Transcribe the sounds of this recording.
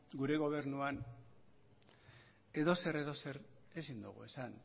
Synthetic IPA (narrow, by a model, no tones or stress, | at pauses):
ɡuɾe̞ɣ̞o̞β̞e̞ɾnuan | e̞ðo̞se̞ɾe̞ðo̞se̞ɾ | esind̪ṵɣ̞ṵe̞san